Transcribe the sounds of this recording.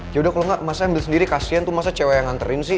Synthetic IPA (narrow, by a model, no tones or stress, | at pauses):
d͡ʒaudahkalɔŋɡaʔmasahambɪlsəndiɾikasiant̪umas̬at͡ʃewajaŋant̪əɾɪnsɪ